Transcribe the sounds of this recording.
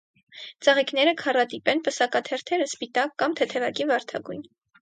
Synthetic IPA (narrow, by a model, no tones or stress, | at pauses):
t͡sɑʁiknɛɾəkʰɑrɑt̪ipɛnpəsɑkɑt̪ʰɛɾt̪ʰɛɾəspit̪ɑkːɑmt̪ʰɛt̪ʰɛvɑkivɑɾt̪ʰɑɡujn